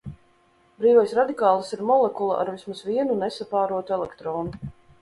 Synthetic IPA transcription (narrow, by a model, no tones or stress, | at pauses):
bɾiːvɔjsɾad̪ikaːlˠasiɾmɔlˠɛkulˠa̰ʔa̰ɾvismasviɛnunɛsapaːɾuɔt̪uɛlˠɛkt̪ɾɔːnu